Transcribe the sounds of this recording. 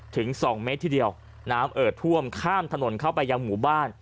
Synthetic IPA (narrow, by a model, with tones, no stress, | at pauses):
t̪ʰɯ˩˦ŋsɔː˩˦ŋme˧˦˥t̪ʰːiː˥˩di˧əw | naː˦˥mʔɤː˨˩t̪ʰːu˥˩əmkʰaː˥˩mt̪ʰa˧no˩˦nkʰa˥˩wpa˧jːaː˧ŋmuː˨˩˦baː˥˩n